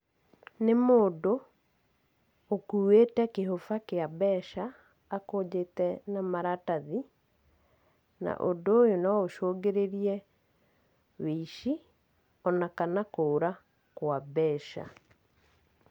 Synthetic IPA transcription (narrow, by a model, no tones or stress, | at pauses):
nemoːdo | kuːwetɛkeɦofakeabɛːʃaː | koːd͡ʑetɛnamaɾataði | na̰ʔondoːjonɔoʃoːɡeɾeɾiɛ | weiʃi | ɔnakanakoːɾa | kwabɛːʃa̰